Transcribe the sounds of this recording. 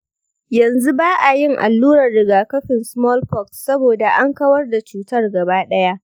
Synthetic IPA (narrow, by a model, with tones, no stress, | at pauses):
jɐ˨nzu˦baː˦ʔa˨jɪ˦ŋʔa̰˨lːuː˦ɾɐ˨rːɪ˨ɡaː˨kɐ˦ɸɪ˨nsmɔ˦lɸɔ˦˨kssɐ˦boː˨da˨ʔa˦ŋkɐ˦wɐ˦rda˨t͡ʃuː˨tɐ˦rɡɐ˨baː˦ɗɐ˦ja˦ʔ